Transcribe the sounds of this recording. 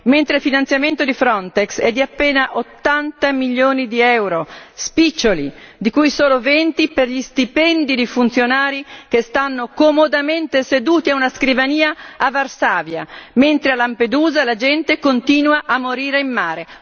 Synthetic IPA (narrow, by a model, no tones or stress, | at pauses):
ment̪ɾeilfinant̪sjament̪od̪ifɾɔnt̪eksɛd̪ːiapːeːnaʔot̪ːant̪amiʎːjoːnid̪iɛwɾospit͡ʃːolid̪ikujsoːlovent̪iperʎist̪ipɛnd̪id̪efunt̪sjonaːɾikest̪anːokomod̪ament̪esed̪uːt̪iaunaskɾivaniːaːvarsaːvja̰ment̪ɾealamped̪uːzalad͡ʒɛnt̪ekont̪iːnwaʔamːoɾiːɾeimːaːɾe